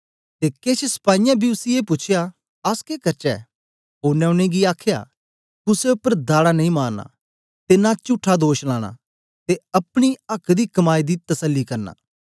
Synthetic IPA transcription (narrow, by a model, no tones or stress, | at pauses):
t̪eːkeːt͡ʃʰsɐ̥paːijãbʱiʊsiepʊt͡ʃʰɪja | ɐskeːkɐɾt͡ʃɛ̰ː | ɦoːnɛ̃ʊnẽɡiaːkʰja̰ | kʊseʊpːəɾd̪aːɽanɐĩmaːɾːa̰ | t̪enãt͡ʃʊʈʰːad̪oːʃlãːɽ̃a̰ | t̪eɐpɽ̃iɐkʰd̪iːkɐmaːid̪it̪ɐsəlːikɐɾna̰ː